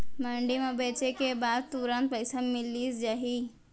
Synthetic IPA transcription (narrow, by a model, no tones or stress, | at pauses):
mɐɳɖimɐbet͡ʃekebaːd̪̚t̪uɾãnt̪̚pɐjsamɪliːsd͡ʒaɦi